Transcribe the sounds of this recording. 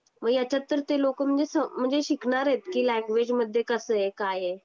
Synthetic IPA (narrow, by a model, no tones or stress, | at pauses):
məɡjat͡ɕat̪ːəɾt̪elokm̤əɳd͡zesəm̤əɳd͡zeɕikɳaɾɦet̪kilɛ̃ŋɡʋed͡ʑməd̪ʱjekəsəːekaje